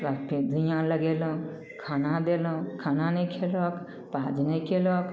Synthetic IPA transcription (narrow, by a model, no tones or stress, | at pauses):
lakpʰid̪ujãləɡelɔ̃ | kʰaːnad̪eːlũkʰaːnanekʰelɔk | paːd͡ʒnekʰelɔk